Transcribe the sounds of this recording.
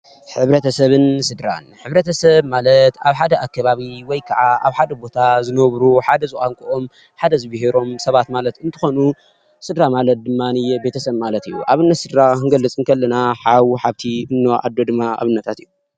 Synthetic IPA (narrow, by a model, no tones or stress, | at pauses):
ħɨβɾɐt̪ʰɐsɐβɨnsɨd̪ɾa̰nħɨβɾɐt̪ʰɐsɐβmalɐt̪aβħad̪ɐʔakːɐβaβiwɔjkʰɐʕaʔa̰βħad̪ɐbo̞t̪ʰazɨnɐβɾuħad̪ɐzɨxʼaŋkʰʼuʔo̞m | ħad̪ɐzɨβɨɦeɾo̞msɐβat̪malɐt̪ɨnt̪ʰɨxo̞nu | sɨd̪ɾamalɐt̪̚d̪ɨmːanijbe̞t̪ʰɐsɐβmalɐt̪ɨjːuʔaβɨnːɐt̪sɨd̪ɾakɨnɡɐlːɨt͡sʼɨŋkʰɐlːɐnaħawħaβt̪ʰiɨnːɐʔa̰d̪ːo̞d̪ɨmːaa̰βɨnːɐt̪ʰat̪ɨjːu